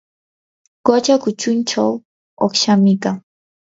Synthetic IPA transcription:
kot͡ʃakʊt͡ʃʊnt͡ʃaw | oχʃamɪkaŋ

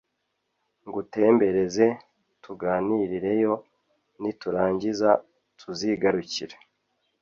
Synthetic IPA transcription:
ŋɡute̞ːmbe̞ɾe̞ze̞ | tuɡaːniɾiɾe̞jo̞ | nituɾaːɲɟiza | tʰuziɡaɾuciɾe

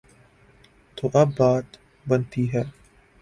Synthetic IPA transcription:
t̪oːʔɐbːaːt̪ | bɐnt̪iɦɛː

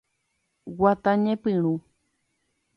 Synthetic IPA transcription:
wat̪ãɲẽpɨ̃ɾ̃ũ

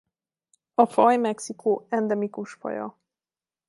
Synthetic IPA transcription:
ɒfɒjmɛksikoːɛnd̪ɛmikuʃfɒ̰jɒ̰

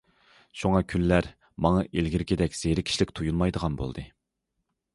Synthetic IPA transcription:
ʃuŋɑkʲʰynlæɾ | mɑŋɑʔelɡʲiɾkʲid̪ɛkʲz̥eɾɪkʲʰi̥ʃlɪkʲt̪ʰujunˠmɑjd̪əʁɑnbo̰lˠd̪ɨ

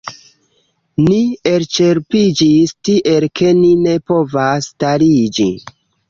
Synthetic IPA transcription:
nie̞lt͡ʃe̞ɾpid͡ʒistiʔe̞lkʰe̞nine̞po̞vastaɾid͡ʒḭ

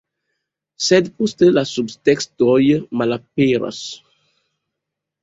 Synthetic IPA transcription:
sɛd̪pust̪əlasubst̪ɛksd̪ɔjəmalapeɾa̰s

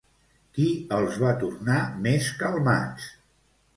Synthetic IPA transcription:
kiəlˠzβat̪urnameskəlˠma̰t͡s

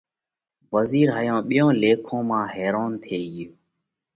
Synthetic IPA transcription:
ʋəziːɾɦaːjõːɓɪjõːleːkʰõːmãːɦeːɾoːnt̪ʰeːɡɪjoː

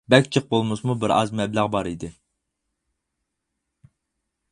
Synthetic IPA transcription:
bɛk̚ʲt͡ʃʰəq̚bolˠmɨsmubɪɾɑ̰zmɛblæʁbɑɾid̪ɪ

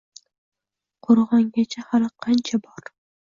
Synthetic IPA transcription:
qʰoɾʁɑŋɡʲat͡ʃʰahalqʰɑnt͡ʃʰabɒɾ

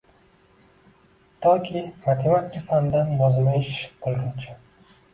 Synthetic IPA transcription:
t̪ʰɒkʲʰimat̪ʰemat̪kʲafand̪anjɒzmajɪʃbolˠɡʲant͡ʃʰa

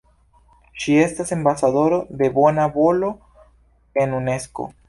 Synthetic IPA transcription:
ʃie̞stase̞mbasaðo̞ɾo̞d̪e̞bo̞nabo̞lo̞ | e̞nune̞sko̞̰

